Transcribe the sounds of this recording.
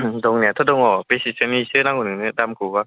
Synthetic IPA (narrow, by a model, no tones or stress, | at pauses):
dɔŋniat̪ʰɔdɔŋɔpesisɯnisɯnaŋunɯŋnɯdamkʰɯba